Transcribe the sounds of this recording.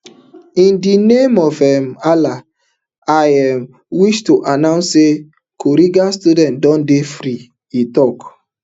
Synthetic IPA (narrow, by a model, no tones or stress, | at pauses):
ĩndinemɔvɛmala | ajam | wiʃtuʔanaʊ̃nse | kʰoɾiɡastudɛ̃ntdɔ̃n̩defɾi | itɔk